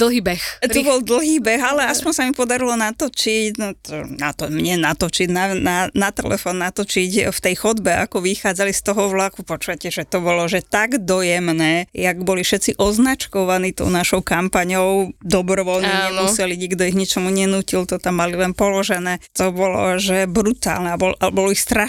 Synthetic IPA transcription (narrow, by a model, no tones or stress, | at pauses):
d̪̥l̩ˠɦiːbɛxubɔld̪l̩ɦiːbɛɣalɛaspɔɲsamipɔd̪aɾilɔnat̪ɔt͡ʃicnt̪ɔnat̪ɔmɲɛnat̪ɔt͡ʃiɟnananat̪ɛ̰lɛ̰fɔnːat̪ɔt͡ʃicft̪ɛjxɔd̪bɛa̰kɔʋixaːd͡zalist̪ɔɦɔʋlakupɔt͡ʃuʋacɛʒɛt̪ɔbɔlɔʒɛt̪aɡd̪ɔjɛmnɛːjaɡbɔlifʃɛt̪t͡siʔɔznat͡ʃkɔʋaniːt̪ɔ̰ʊnaʃɔʊkampaɲɔʊd̪ɔbɾɔʋɔlniɲɲɛmusɛliɲiɡd̪ɔiɣɲit͡ʃɔmuɲɛnuːcilt̪ɔt̪amːalilɛnpɔlɔʒɛnɛːt̪ɔbɔlɔ̰ʒɛbɾut̪a̰ːlnɛabɔlʔalɛbɔlɔixst̪ɾa